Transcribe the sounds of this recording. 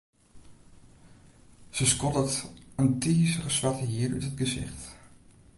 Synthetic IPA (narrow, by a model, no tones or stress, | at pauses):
z̥əskɔtətəntiːsərəsʋɑtəɦiːrœ̰tətɡəzɪ̰χt